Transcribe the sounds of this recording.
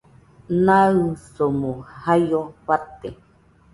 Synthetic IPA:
naɯsomohajoɸat̪e

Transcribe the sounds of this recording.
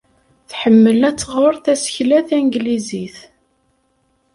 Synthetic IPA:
θħəmːəlæt͡sːəʁoɾˤθæsə̥çlæθæŋɡliziθ

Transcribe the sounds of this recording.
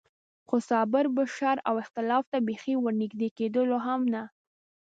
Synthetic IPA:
xosɑbɪɾbaʃaɾawɪxt̪ɪlɑft̪abexiwəɾnɪɡd̪eked̪əloɦamna

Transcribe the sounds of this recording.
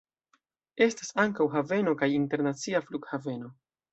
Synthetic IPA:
e̞stasaŋkawɦave̞no̞kajinte̞ɾnat͡siafluɡhave̞no̞

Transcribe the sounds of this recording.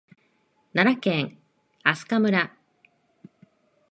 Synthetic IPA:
naɾakẽ̞ŋ | asɨ̥kamɯ̟ɾa

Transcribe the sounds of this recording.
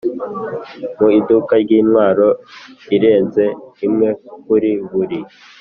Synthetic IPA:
muidukaɾɟiːnwaːɾo̞iɾe̞ːnze̞imŋe̞k̚uɾiβuɾi

